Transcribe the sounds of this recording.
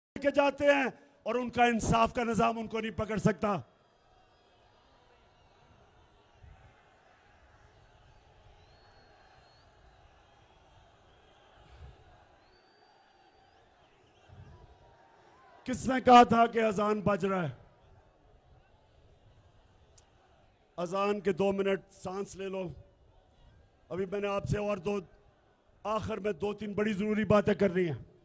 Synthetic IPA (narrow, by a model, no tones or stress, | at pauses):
ked͡ʒaːt̪eɦɛ̃ː | ɔːɾʊnkaɪnsaːfkanɪzaːmʊnkonɐɦĩpɐkəɾsɐk̚t̪aː | kɪsnekɐɦat̪ʰakeɐzaːnbɐd͡ʒɾaːɛː | ɐzaːnked̪oːmɪnəʈ̚sãːnsleːloː | ɐbimɛ̃ːneaːpseɔːɾd̪oː | aːxɪɾmẽd̪oːt̪inbɐɽizəɾuːɾibaːt̪ẽkɐɾniɦɛː